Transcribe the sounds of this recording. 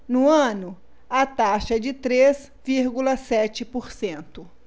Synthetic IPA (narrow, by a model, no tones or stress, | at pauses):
nʊɐ̃nʊ | at̪aʃɐɛd͡ʒɪt̪ɾez | viɾɡulɐsɛt͡ʃɪpoɾsẽnt̪ʊ